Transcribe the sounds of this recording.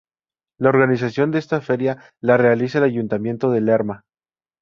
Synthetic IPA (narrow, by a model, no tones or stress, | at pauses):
lao̞ɾɣanis̬asjo̞nd̪e̞est̪afe̞ɾja | lare̞alisaelaʝunt̪amje̞nt̪o̞ð̞e̞leɾma